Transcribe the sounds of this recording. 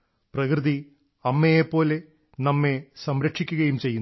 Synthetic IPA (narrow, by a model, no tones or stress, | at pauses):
prɐkrɨði | ɐmːejepːo̞ːle̞ | nɐmːe̞sɐmɾɐkʂikʲːuɣɐjumt͡ɕe̞jːun